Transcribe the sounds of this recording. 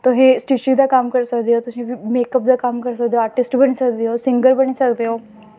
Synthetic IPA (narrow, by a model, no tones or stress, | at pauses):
t̪oɦẽːsʈiːʃid̪aːkəmkəɾsəkd̪eːɦoːt̪ʊsĩːbiːmeːkəp̚d̪aːkəmkəɾsək̚d̪eoaːʈɪsʈbəñisəkd̪eːɦoːsɪ̃ŋɡəɾbəñisəkd̪eɦoː